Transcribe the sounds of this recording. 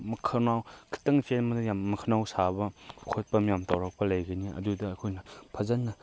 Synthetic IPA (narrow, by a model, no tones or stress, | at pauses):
mɐkʰɐnawkʰi̥tɐŋpʰenmɐdɐjamːɐkʰɐnawsabɐkʰot̚pɐmjamtawɾɐk̚pɐlɐjɡɐniɐ̰dudɐːkʰojnɐpʰɐzɐnːɐ